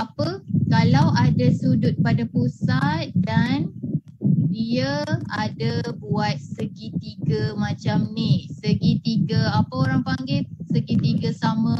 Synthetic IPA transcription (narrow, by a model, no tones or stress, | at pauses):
apəkalawʔadasudʊt̪̚padapusat̪̚dan | diaadabuat̪̚səɡit̪iɡəmãt͡ʃamnihsəɡit̪iɡəapəoɾaŋpaŋɡɪsəɡit̪iɡəsamə̃